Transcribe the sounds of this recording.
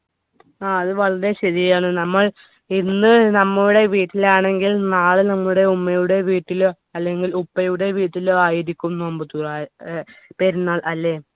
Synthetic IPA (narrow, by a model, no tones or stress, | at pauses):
aːɐðɨʋɐɭɐɾeɕɐðijaːɳɨnɐmːɐɭ | inːɨnɐmːɐɭuɽe̞ʋiːʈːilaːɳe̞ŋɡilnaːɭɨnɐmːuɽe̞umːɐjuɽe̞ʋiːʈːilo | ɐlːe̞ŋɡilupːɐjuɽe̞ʋiːʈːiloaːjiɾikʲːumnoːmbɨt̪uraː | pe̞ːɾunːaːɭʔɐlːe̞